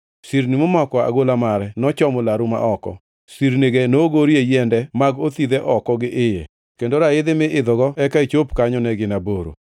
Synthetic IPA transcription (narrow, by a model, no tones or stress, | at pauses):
siɾnimʊmɔkɔa̰ɡolamaɾɛnɔt͡ʃɔmolaɾuma̰ʔɔkɔ̰ | siɾneɡenoɡoɾiejɛndɛmaɡot̪id̪ɛʔɔkɔɡɪʔɪjḛ | kendoɾaɪd̪ɪmɪʔɪd̪ɔɡɔɛkait͡ʃopkaɲɔnɛɡɪnaboɾo̰